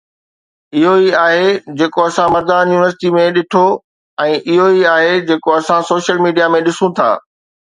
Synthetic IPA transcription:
ɪɦoiaːɦed͡ʑeːkoɐsãmɐɾd̪aːnjuːnɪʋəɾsɪ̥ʈimẽɗɪʈʰo | ɛ̃ːʔɪɦoiaːɦed͡ʑeːkoɐsãsoːʃəlmiːɖijamẽɗɪsũt̪ʰa̰ː

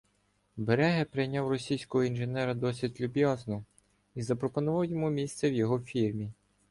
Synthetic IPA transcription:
beɾɛɦɛpɾejnʲɑwrɔsʲijsʲkɔɦɔinʒenɛɾɐd̪ɔsʲidʲlʲʊbʲjɑznɔ | izɐpɾɔpɔnʊʋɑwjɔmumʲist̪sɛwjɔɦɔfʲirmʲi

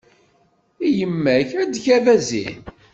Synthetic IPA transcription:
ijəmːæçæd̪çævæzḭn

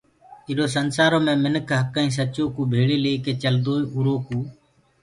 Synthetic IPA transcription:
ɪːɾoːs̬ənsaːɾoːmẽːmɪnəkʰɦəkːaːĩːs̬ət͡ʃoːkuːbʱeːɽeːleːkeːt͡ʃəld̪oːiːʔuɾoːkuː

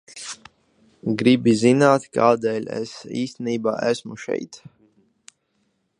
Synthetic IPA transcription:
ɡɾibizinaːt̪kaːd̪ɛːlʲɛ̰sḭːsʲt̪eniːba̰ːʔæsmuʃɛ̰jt̪

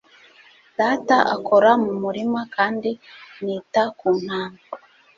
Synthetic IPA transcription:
d̥aːtaʔa̰ko̞ɾamumuɾimakaːndiniːtakuːn̥haːnba

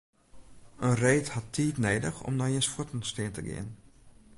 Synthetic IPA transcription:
ʔənreːthatːʰiːtneːdəxɔ̰mnɔjiənsfutənstɪəntəɡɪ̰ən

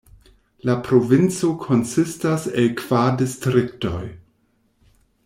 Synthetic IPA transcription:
lapɾo̞vint͡so̞kʰo̞nsistaselkv̥adistɾikto̞̰j

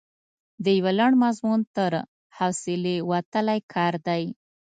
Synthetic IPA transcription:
d̪əjawalaɳmazmunt̪əɾ | hawsɪlewat̪əlajkʰɑɾd̪aj

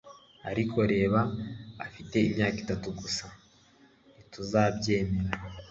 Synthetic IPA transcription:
a̰ɾikʰo̞ɾe̞ːβa̰ːfite̞imɲaːkitatuɡusa | nituzaːbɟe̞ːme̞ɾa

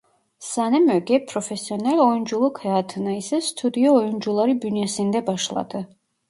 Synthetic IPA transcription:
sanɛmœɡɛpʰɾɔfɛsiɔnɛlɔjund͡ʒulˠukʰhɛat̪ʰɨnaisɛst̪ʰud̪iɔːjund͡ʒulˠaɾibynɛsind̪ɛbaʃlˠa̰d̪ɨ

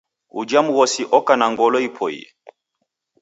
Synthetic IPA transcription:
ṵd͡ʒamuɣɔsiʔɔkanaŋɡɔlɔipʰɔḭ

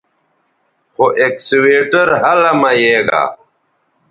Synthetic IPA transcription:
xoʔeksiweːʈɐɾɦɐlɐmɐjeːɡa̰

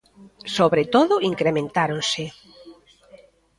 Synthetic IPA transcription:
soβɾet̪oðʊiŋkɾemẽnt̪aɾonsɪ

